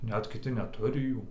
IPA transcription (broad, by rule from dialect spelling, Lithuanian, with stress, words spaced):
ˈnʲɛt kʲɪˈtʲɪ nʲɛˈtʊrʲɪ ˈjuː